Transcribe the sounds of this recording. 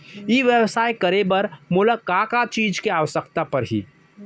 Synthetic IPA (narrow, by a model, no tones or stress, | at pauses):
jiːʋjəʋsaːjkəɾebəɾmʊləkaːkat͡ʃiːd͡ʒkeaːʋəsəkt̪apɐɾɦḭː